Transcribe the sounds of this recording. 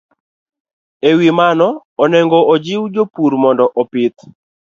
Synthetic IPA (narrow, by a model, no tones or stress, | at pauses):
ewimanɔːnɛŋɡɔʔɔd͡ʒɪwd͡ʒopuɾmɔndɔʔɔpɪt̪